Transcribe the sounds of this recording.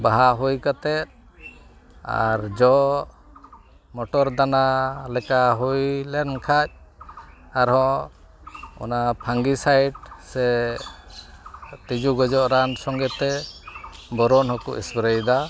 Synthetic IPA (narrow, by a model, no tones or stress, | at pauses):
baɦaɦujkat̪ɛt̪̚ | a̰ɾd͡ʒɔ | mɔʈɔɾd̪analɛkaɦujlɛnkʰac̚ | aɾɦɔ̃ | ɔ̰napʰaŋɡisajɖ̚sɛ | t̪id͡ʒuɡɔd͡ʒɔʔɾansɔŋɡɛt̪ɛ | bɔɾɔnɦɔkuʔisbɾəjd̪a